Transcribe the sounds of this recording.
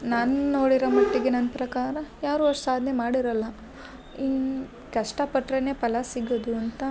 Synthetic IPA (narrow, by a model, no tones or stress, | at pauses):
naːnnoːɽiɾɐmɐʈːiɡenɐnpɾɐkaːɾɐjaːɾuʋɐʂɐ̥saːd̪ʱnemaːɽiɾɐlːɐ | in | kɐʂʈɐpɐʈɾɐnepɐlɐsiɡoːd̪uɐnt̪ɐ